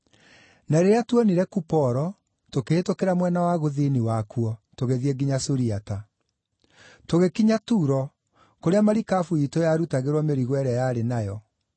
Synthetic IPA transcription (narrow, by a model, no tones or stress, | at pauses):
naɾeɾeatuɔniɾɛkupɔɾɔ | tokeːtokeɾamwɛnawaɣoðiniwakuɔtoɣeðieɡiɲasoɾiata | toɣekiɲatuːɾɔ | koɾeamaɾikafuitojaɾutaɣeɾwɔmeɾiɣwɛɾɛjaɾenajɔ